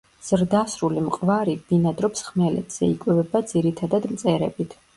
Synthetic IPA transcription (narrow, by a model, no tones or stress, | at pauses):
z̥ɾd̪asɾulimqʼvaɾibinad̪ɾɔpsχmɛlɛ̰t̪z̥ɛikʼwɛbɛbad̪ziɾit̪ʰad̪ad̪mt̪sʼɛɾɛ̰bit̪ʰ